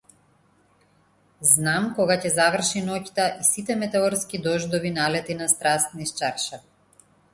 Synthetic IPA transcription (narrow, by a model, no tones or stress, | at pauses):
znamkɔɡacɛzavr̩ʃinɔct̪aʔisit̪ɛmɛt̪ɛɔɾskid̪ɔʒd̪ɔvinalɛt̪inast̪ɾast̪niʃt͡ʃaɾʃa